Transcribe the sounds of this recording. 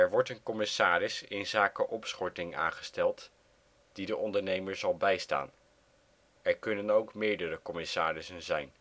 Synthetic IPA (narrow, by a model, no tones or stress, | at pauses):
ɛɹʋɔɹtənkɔmɪsaːrɪsɪnzaːkəʔɔpsχɔɹtɪŋʔa̰ːnχə̥stɛlˠt | d̥idəʔɔndəɹnejməɹzɑlˠbɛjsta̰ːn | ɛɹkɵnənowkmɪːɹdərəkɔmɪsaːrɪsənzɛjn